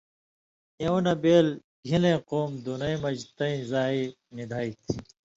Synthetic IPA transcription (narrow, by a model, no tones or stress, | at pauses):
jɐwnɐbeːl | ɡʱilẽːqoːmd̪onɐĩmɐd͡ʑt̪ɐĩzaːi | nid̪ʱaːit̪ʰ